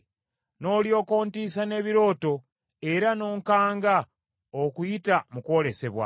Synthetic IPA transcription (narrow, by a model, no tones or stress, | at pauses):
no̞ːljo̞ːko̞ːntiːsane̞ːβiɾo̞ːto̞ | e̞ɾano̞ːŋkaːŋɡa | okujitamukwo̞ːle̞se̞βwa̰